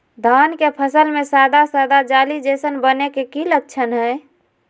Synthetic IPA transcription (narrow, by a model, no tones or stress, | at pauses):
d̪ʱankepʰəsəlmesad̪ʱasad̪ad͡ʒalid͡ʒesənbənekekilək̚t͡ʃʰənɦəj